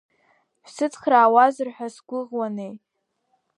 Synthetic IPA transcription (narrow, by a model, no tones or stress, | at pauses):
ʃʷsɨt͡sʰχraːwazɨrħʷᶣasɡʷʊʁwanej